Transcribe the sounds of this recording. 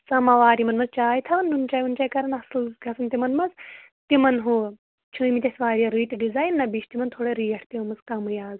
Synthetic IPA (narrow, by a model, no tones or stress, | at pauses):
t͡sɐmɐʋaːɾimɐnmɐzt͡ʃaːjt̪ʰɐʋɐnːunt͡ʃaːjunt͡ʃaːjkɐɾɐnɐslɡʱɐsɐnt̪imɐnmɐz | t̪imɐnɦoː | t͡ʃʰɨːmit̪ʲɐsʲʋaːɾʲijɐɾiːt̪ʲɖizaːjnːɐbiːʃʰt̪imɐnt̪ʰoːɽeɾiːjɐʈʰt̪imɐzkɐmɨjaːz